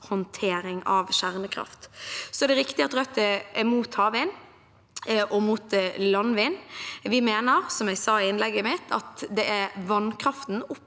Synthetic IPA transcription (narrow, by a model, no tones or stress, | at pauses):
hɔnt̪ʰeːɾɪŋɑʋʃæʁnəkʰɾɑ̰ft̪sɔɛd̪ɛɾɪkt̪ɪɑt̪ɾœt̪ːəɛmuːt̪hɑːʋɪn | ʔɔmuːt̪lɑnʋɪːnʋɪmeːnəɾsɔmjæɪsɑːɪɪnlɛɡːəmɪt̪ʰɑ̰t̪d̪ɛʔæʋɑnkʰɾɑft̪n̩ʊpː